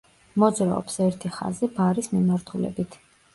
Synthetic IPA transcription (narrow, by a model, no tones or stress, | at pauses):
mɔd̪zɾaɔ̰psɛɾt̪ʰiχa̰zibaɾismimaɾt̪ʰulɛ̰bit̪ʰ